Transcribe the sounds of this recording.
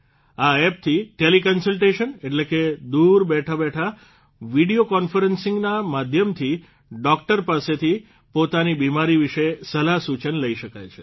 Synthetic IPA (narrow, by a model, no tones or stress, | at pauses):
aɛp̚t̪ʰiʈelikənsəlʈeʃəneʈleked̪uɾbɛʈʰabɛʈʰa | ʋiɽiokɔnfəɾənsɪ̃ŋɡnamad̪ʱjəmt̪ʰi | ɖɔk̚ʈəɾpaset̪ʰi | pot̪anibimaɾiʋiʃesəlaɦsut͡ʃənləiʃəkajt͡ʃʰe̥